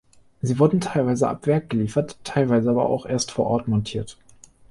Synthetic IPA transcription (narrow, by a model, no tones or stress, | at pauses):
ziːvʊɐdn̩tʰaɪlvaɪzəʔa̰pv̥ɛɐk̚ɡ̥əliːfɐtʰːaɪlvaɪzəaːbɐ̰ʔa̰ʊxʔeːɐstfoːɐʔɔɐtmɔntʰiːɐt